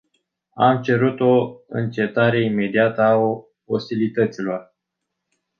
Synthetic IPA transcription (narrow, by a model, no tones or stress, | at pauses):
amt͡ʃe̞ɾut̪o̞ɨ̰nt͡ʃe̞t̪aɾe̞ime̞d̪iat̪əao | ost̪ilit̪ət̪silo̞r